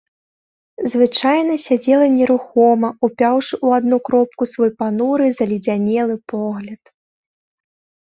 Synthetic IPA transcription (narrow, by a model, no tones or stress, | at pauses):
zvɨt͡ʂajnɐsʲad͡zʲɛlˠɐnʲɛɾuxɔmɐupʲawʂɨʔuad̪nukɾɔp̚kusvɔjpanuɾɨzɐlʲid͡zʲanʲɛlˠɨpɔɣlʲɐt̪